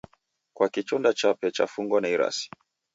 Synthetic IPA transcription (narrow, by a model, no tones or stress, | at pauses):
kwakit͡ʃɔndat͡ʃapɛt͡ʃa̰fuŋɡwanaiɾa̰si̥